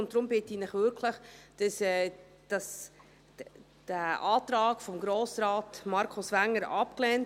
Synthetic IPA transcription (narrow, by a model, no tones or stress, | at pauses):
ʊntd̥ɾʊmbɪtiːnɪχʋʏɾkʰlɪχd̥ɑsɛː | d̥ɑs | d̥æʔɑːtɾɑːɡfɔmɡɾoːsɾaːtmɑɾkʰʊsʋæŋːəɾɑpklɛnt